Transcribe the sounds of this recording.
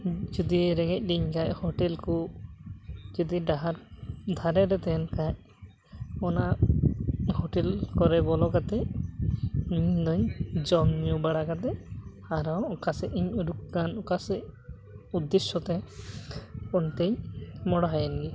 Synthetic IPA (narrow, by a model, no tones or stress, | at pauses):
d͡ʒɔd̪iɛɾɛɡɛc̚ˀɖiɲkachɔʈɛlku | d͡ʒɔd̪iɖaɦaɾd̪ʱaɾɛɾɛt̪ɛnkac | ɔna | hɔʈɛlkɔɾɛbɔlɔkat̪ɛ | iɲd̪ɔɲd͡ʒɔmɲubaɽakat̪ɛ | aɾɔwɔkasɛʔiɲuɾuk̚kanɔkasɛ | ud̪ːɛsɔt̪ɛ | ɔnt̪eɲmɔɽɔɦajɛnɡi